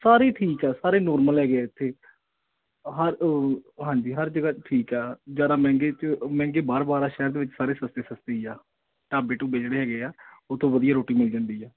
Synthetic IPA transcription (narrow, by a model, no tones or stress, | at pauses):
saːɾeːʈʰiːkɛːsaːɾeːnɔːɾməlɦɛːɡeeːɪt̪ʰːeː | ɦəɾɦãːɲd͡ʒiːɦəɾd͡ʒəɡaːʈʰiːkɛːd͡ʒaːd̪aːmɛ̃ːŋɡeːt͡ʃmɛ̃ːŋɡeːbaːɾbaːɾaːʃɛːɾd̪eːʋɪt͡ʃsaːɾeːsəst̪eːsəst̪eːiːaː | ʈaːbeːʈũːbeːd͡ʒɽeːɦɛːɡeːaːʊt̪ʰːõːbəd̪ijaːɾoːʈiːmɪld͡ʒãːnd̪iːɛː